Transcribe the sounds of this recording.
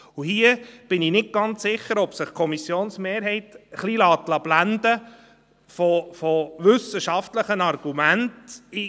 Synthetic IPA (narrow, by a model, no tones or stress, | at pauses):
uhiəb̥ɪninɪt̚ɡ̥ɑnt͡ssɪχːəɾɔb̥səχkʰɔmisjoːnsmeːɾɦɛɪtəχlilɑːt̪lɑb̥lænd̪ə | fɔfɔʋʏsəʃɑftləχənɑrɡ̥umænti